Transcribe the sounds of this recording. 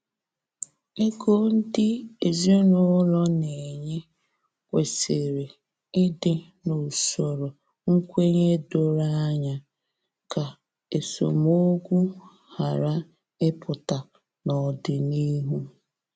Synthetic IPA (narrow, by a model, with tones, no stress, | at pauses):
e˦ɡo˦n̩˦dɪ˦e˨zi˦nʊ˦lɔ˦ne˨ɲe˦ | kʷe˨se˨ɾe˨ | ɪ˦dɪ˦ | no˨so˨ɾo˨ | ŋ̩˦kʷe˦ɲe˦do˨ɾa˦a˦ɲa˨ | ka˨ | e˨so̰˨mo˦ɡʷu˦ | ha˨ɾa˦ | ɪ˦pʊ˨ta˨ | nɔ˨dɪ˨ni˦ɦu˦